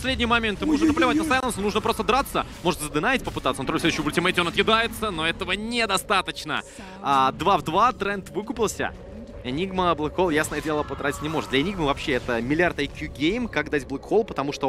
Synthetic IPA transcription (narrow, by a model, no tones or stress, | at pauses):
psʲlʲedʲnʲɪjəmɐmʲent̪ɨmɨnuʐnnəplʲɪvat̚ʲnəsajɐnosnuʐnəpɾost̪əd̪ɾat̪səmo̞ʐɨt̪zəd̪ɨnajɪtʲpəpɨt̪at̪sɐnt̪ɾolfsʲed̪əɕɪəbʊlʲtʲɪmetʲɪonɐt̪jɪd̪ajɪt̪səno̞ɛt̪əvənʲed̪ɐst̪at̪ət͡ɕnə̰ | ad̪vavd̪vat̪ɾɛnt̪vɨkʊpʲɪlˠsʲə̰ | ɪnʲiɡməblˠɨkxolˠjasnəjədʲelˠəpəd̪ɾatʲɪ̥tʲnʲɪmo̞ʐɨt̪d̪lʲɐɪnʲiɡmɨvɐpɕːeɛt̪əmʲɪlʲɪart̪ajkʲjuɡʲejmkakd̪atʲblˠɛkxolˠpət̪ɐmuʂt̪o